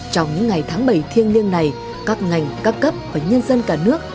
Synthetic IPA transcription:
t͡ɕɔ˧wŋ͡mɲɨ̰˧˥ŋŋa˨˩jt̪ʰaː˨˦ŋɓə˧˩jt̪ʰi˧ənli˧ənna˨˩j | kaː˦˥k̚ŋa˨˩jŋ̟kaː˦˥kːə˦˥p̚vaː˨˩ɲə˧nzə˧nkaː˧˩nɨ˦˥ək̚

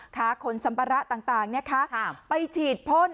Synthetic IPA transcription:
k̪ʰaː˦˥˩kʰo˧nsa˨˦mpʰa˧ɾa˦˥ʔt̪aː˨˩ŋt̪aː˨˩ŋna˦˥kʰa˦˥pa˧jt͡ɕʰiː˨˩t̪̚pʰo˦˥˨n

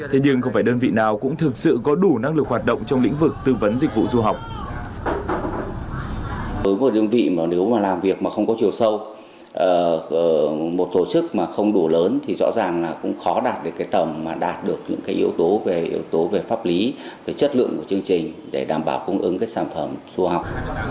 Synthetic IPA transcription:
t̪ʰe˨˦ɲɨ˧ŋxə˧wŋ͡mfaː˧˩ɗəː˧nvḭ˧˨naː˨˩wkʊ̰˧˥ŋ͡mt̪ʰɨ˨˩k̚sɨ̰˧˨kɔ˨˦ɗu˧˩na˧ŋlɨ˨˩k̚ɦwaː˨˩t̚ɗə̰˧˨wŋ͡mt͡ɕwŋ͡mlḭ˧˥ŋ̟vɨ˨˩k̚t̪ɨ˧və˨˦nzi˨k̟̚vṵ˧˨zu˧ɦa˨˩wk͡p̚ | vəː˨˦jmo˨˩ɗɨ˧ənvḭ˧˨mː˨˩ne˨˦wmaː˨˩laː˨˩mvi˨˩ək̚maː˨˩xə˧wŋ͡mkɔ˨˦t͡ɕi˨˩ə˩wsə˧w | ʔəː˨˩əː˨˩mo˨˩t̚t̪o˧˩t͡ɕɨ˦˥k̚maː˨˩xə˧wŋ͡mɗu˧˩ləː˨˦nt̪ʰi˨˩zɔ̰˧˥zaː˨˩ŋlaː˨˩kʊ̰˧˥ŋ͡mxɔ˨˦ɗaː˨˩t̚ɗe˨˩kaː˨˦jt̪ə˧˩mːaː˨˩ɗaː˨˩t̚ɗɨ˨˩ək̚ɲɨ̰˧˥ŋkaː˨˦jʔi˨˧əwt̪o˨˦ve˨˩ʔḭ˨˦əwt̪o˨˦ve˨˩faː˦˥p̚li˨˦ve˨˩t͡ɕə˦˥t̚lɨ̰˧əŋku˧˩t͡ɕɨ˧əŋt͡ɕï˨˩ŋ̟ɗe˧˩ɗaː˨˩mɓaː˧˩wkə˧ŋʔɨ̰˨˦ŋkaː˨˦jsaː˧˩nfə˧˩mzu˧ɦa˨˩wk͡p̚

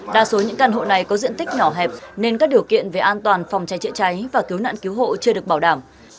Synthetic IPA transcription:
ɗaː˧˩so˨˦ɲɨ̰˧˥ŋkaː˧˩nɦo̰˧˨na˨˩jkɔ˨˦zḭ˧˨nt̪i˦˥k̟̚ɲɔ˧˩ɦɛ˨˩p̚ne˧nkaː˦˥k̚ɗi˨˩əwkḭ˧˨ənve˨˩ʔaː˧nt̪waː˨˩nfa˨˩wŋ͡mt͡ɕa˨˦jt͡ɕɨ̰˧˨t͡ɕa˨˦jvaː˨˩ki˨˦wna̰ː˧˨nki˨˦əwɦo̰˧˨t͡ɕɨ˧əɗɨ˨˩ək̚ɓaː˧˩wɗaː˧˩m

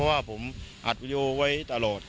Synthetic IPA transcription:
ɔ˦˥waː˥˩pʰo˩˦mʔa˨˩t̪̚wiː˦˧di˧ʔoː˧wa˦˥jt̪a˧lɔː˨˩t̪̚

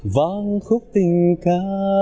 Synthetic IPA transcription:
va˧˦nxʊ˦˥k͡p̚t̪ï˨˩ŋ̟ka˧˦

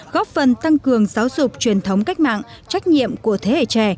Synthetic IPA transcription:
ɣɔ˦˥p̚fə˨˩nt̪a˧ŋkɨ˨˩əŋzaː˨˦wzʊ˨˩k͡p̚t͡ɕwi˨˩ənt̪ʰə˨˦wŋ͡mka˦˥jk̟̚ma̰ː˧˨ŋ | t͡ɕa˦˥jk̟̚ɲḭ˧˨əmku˧˩ət̪ʰe˨˦hḛ˧˨t͡ɕɛ˧˩

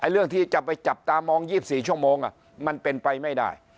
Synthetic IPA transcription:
ʔa˧jɾɯ˥˩əŋt̪ʰiː˥˩t͡ɕa˨˩pa˧jt͡ɕa˨˩p̚t̪aː˧mːɔː˧ŋjiː˥˩p̚siː˨˩t͡ɕʰu˥˩əmoː˧ŋʔa̰˨˩ | ma˧npe˧npa˧jma˥˩jda̰ː˥˩j

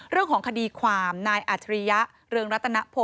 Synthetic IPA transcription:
ɾɯ˥˩əŋkʰɔː˩˦ŋkʰa˧diː˧kʰwaː˧mnaː˧jʔa˨˩t̪ʰɾi˧ja˦˥ʔ | ɾɯː˧əŋɾa˦˥t̪ʰːa˧na˦˥pʰo˧˩

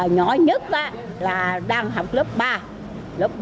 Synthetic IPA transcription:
ɲɔ̰˨˩˦ɲə˦˥t̚ʔa̰˧˨ | laː˨˩ɗaː˧ŋɦa˨˩wk͡p̚lə˦˥p̚ɓaː˧ | lə˦˥p̚ɓ

